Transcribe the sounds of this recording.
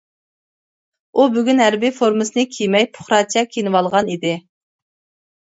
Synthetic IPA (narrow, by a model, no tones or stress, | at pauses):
ubyɡʲynɦæɾbifoɾmɨsɨnɨkʲʰijmɛjpʰʊ̥χɾɑt͡ʃʰɛkʲʰinɨwɑlˠʁɑnid̪ɪ